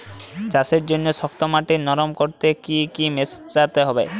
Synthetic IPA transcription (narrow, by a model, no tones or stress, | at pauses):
t͡ɕaʃeɾd͡ʑonːoʃɔk̚t̪omaʈinɔɾomkoɾt̪ekikimest͡ɕat̪eɦɔbe